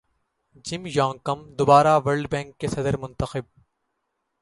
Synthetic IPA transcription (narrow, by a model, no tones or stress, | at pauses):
d͡ʒɪmjãːŋkɐmd̪ʊbaːɾaʋɐɾɖbɛ̃ːŋkːesɐd̪əɾmʊ̃nt̪ɐxɪb̚